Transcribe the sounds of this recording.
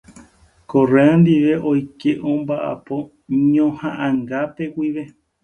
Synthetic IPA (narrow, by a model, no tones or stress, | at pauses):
koreãnd̪iʋe̞ʔojkeʔõmbaʔa̰po̞ | ɲõhãʔãŋɡape̞wʷiʋe̞